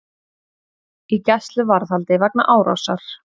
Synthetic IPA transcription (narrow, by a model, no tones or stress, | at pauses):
icɛst̪lʏvaɾðhalt̪ɪvɛk̚na̰ʔaːwɾa̰wsaɾ̥